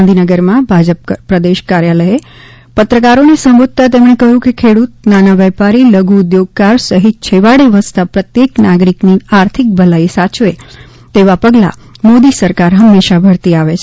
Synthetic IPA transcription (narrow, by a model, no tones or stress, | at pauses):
nd̪ʱinəɡəɾmãbʱad͡ʒəp̚pɾəd̪eʃkaɾjaləe | pət̪ɾəkaɾonesə̃mbud̪̚t̪at̪̬emɽ̃ekəɦũkekʰeɽut̪̚nanaʋɛpaɾiləɡuʊd̪joɡ̚kaɾsəɦit̪̚t͡ʃʰeʋaɽeʋəst̪apɾət̪jeknaɡɾikniaɾt̪ʰik̚bʱəlaisat͡ʃʋe | t̪eʋapəɡla̰ | mod̪isəɾkaɾɦəmːeʃabʱəɾt̪iaʋet͡ʃʰ